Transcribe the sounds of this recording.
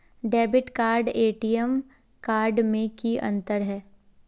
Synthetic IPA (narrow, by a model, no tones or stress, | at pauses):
ɖɛːbɪʈkaːɾɖeːʈiːəm | kaːɾɖmẽkiʔɐ̰̃nt̪əɾɦɛː